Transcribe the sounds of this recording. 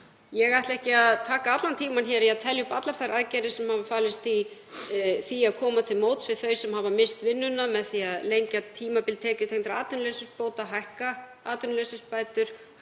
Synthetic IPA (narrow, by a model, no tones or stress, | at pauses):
jɛɣajht̪lɛhcɪaðt̪ʰaːkaat̪lant̪ʰiːmançɛːɾjaðt̪ʰɛljʏpat̪lafajɾʔaðcɛɾɪsɛmhavafaːlɪst̪i | θiaðkʰɔːmat̪ʰɪlmowt̪svɪðθœɥsɛmhɦavamɪst̪vɪnːʏnːamɛðθiaðlejɲcat̪ʰiːmapɪlt̪ʰɛːcʏt̪ʰeknt̪ɾaaːt̪ʏnlɛsɪspoːwt̪aɦajhka | aːt̪ʏnlɛsɪspaːjt̪ʏɾ̥